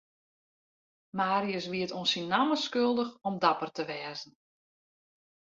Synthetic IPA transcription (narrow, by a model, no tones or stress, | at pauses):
maːɾiəsʋiətonsinːaməskølˠdəxɔmdapərtəʋɛːzn̩